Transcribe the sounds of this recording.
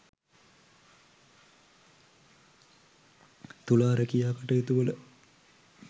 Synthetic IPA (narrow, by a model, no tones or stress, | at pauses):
t̪ulaːɾəkijaːkəʈəjet̪uʋələ